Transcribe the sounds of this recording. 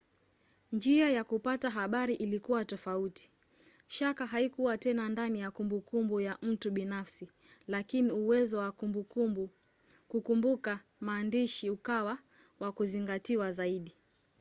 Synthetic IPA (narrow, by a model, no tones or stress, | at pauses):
nd͡ʒiajakupataɦaɓaɾiʔilikuwatɔfauti̥ | ʃakaɦaikuwatɛnandanijakumbukumbujaʔm̩tuɓinafsi | lakiniuwɛzɔwakuu | kukumbuka | maːndiʃiukawa | wakuziŋɡatiwazaiɗi